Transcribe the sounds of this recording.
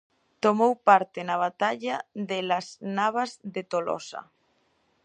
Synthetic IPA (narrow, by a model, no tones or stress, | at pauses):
t̪omowpaɾt̪ɪnaβ̞at̪aʎaðelasnaβ̞ɐzðet̪olɔ̰sa̰